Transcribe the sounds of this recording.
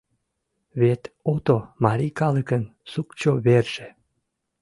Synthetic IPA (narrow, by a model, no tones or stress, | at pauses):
βet̪ot̪omɑɾikɑləkənsukt͡ɕoβerʒ̥e